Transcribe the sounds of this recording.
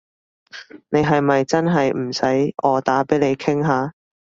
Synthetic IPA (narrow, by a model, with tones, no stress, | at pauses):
ne˨˧jɦɐ˨jmɐ˨jt͡sɐ˥nɦɐ˨jm̩˨˩sɐ˨˥jʔɔː˨˧t̪aː˨˥pe˨˥jle˨˧jkʰɪ˥ŋɦaː˨˧˥